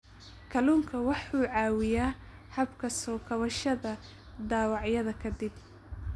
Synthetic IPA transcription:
kʰɐluːŋkʰɐwɑħuːʕɑːwɪjaː | hɐbkʰɐsɔːkʰɐβɐʃɐðɐ | d̪aːwɑʕjɐðɐkʰɐd̪ɪb̚

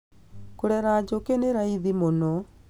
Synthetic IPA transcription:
koɾɛɾad͡ʑokeneɾaiðimonɔ

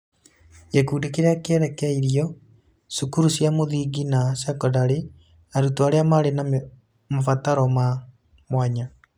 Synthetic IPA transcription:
jekuːdekeɾeakeɾɛkɛiɾiɔ | sukuɾusiamoðiɡinasakɔdaɾe | aɾutoaɾeamaɾena | mafataɾɔma | mwaɲa

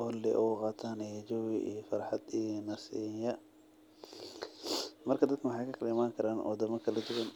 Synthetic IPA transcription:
ɔlːɛʔɔqɑːt̪ʰaːnɛd͡ʒɔwiʔḭjfɑrħɑd̪inɐsiːjɐ | mɐrkʰɐd̪ɐd̪̚kʰɐwɑħɑjkʰɐkʰɐlɐɪmaːŋkʰɐɾaːnʔɔ̰ːd̪ɐmɐkʰɐlɐd͡ʒʊɣɐn

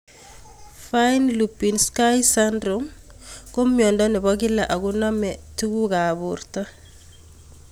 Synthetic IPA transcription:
fajnlupːinskajsandɾomkomjɔndɔnibɔɡɪlaʔaɡunɔmɛtuɡuɡabuɾta

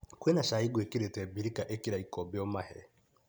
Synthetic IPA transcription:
kwenaʃaːiɡwekiɾetɛbiɾikaʔekiɾaikɔbeɔmahɛɛ

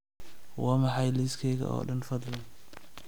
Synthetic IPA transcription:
wɑːmɑħɑjliskʰɛːɣɐ̰ʔɔ̰ːɖɐnfɐd̪lɐn

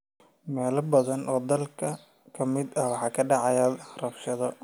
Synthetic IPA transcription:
mɛːlɐbɐðɐnʔɔːd̪ɐlkʰɐ | kʰɐmɪd̪ɐwɑħɑːkʰɐɖɑʕɑjɐrɐbʃɐðɔ

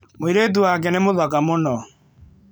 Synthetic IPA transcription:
moiɾet̬uwak̬ɛnemoðakamonɔ

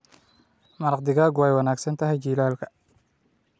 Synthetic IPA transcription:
mɐɾɑqd̪ɪɣaːɡʊɛjwɑnaːɡsɐnt̪ʰɐɦɛjt͡ʃiːlaːlkʰɐ̥

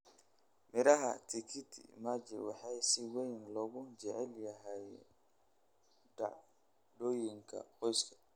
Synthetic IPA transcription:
mɪɾɐɦɐ̰t̪ʰɪkʰɪt̪ʰḭmad͡ʒɪ̰wɑħɑjsɪwɛjnlɔɣʊd͡ʒɛʕɛljɐɦɛj | ɖa̰ʕ | ɖoːjɪŋkʰɐ̰qɔjskʰɐ̥

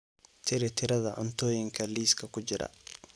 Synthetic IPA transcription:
t̪ʰɪɾɛt̪ʰɪɾɐðɐʔɔnt̪oːjɪŋkʰɐliːskʰɐkʊd͡ʒɪɾɐ̰

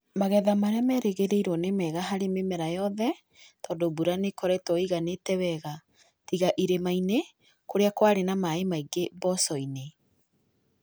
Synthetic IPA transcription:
maɣɛðamaɾɛamɛɾeɣeɾeiɾwɔnemɛɣaɦaɾememɛɾajɔðɛ | tɔːdobuɾanekɔɾɛtwɔiɣanetɛwɛɣa | tiɣaʔiɾemaine | koɾeakwaɾenamaemaiɡebɔsɔine

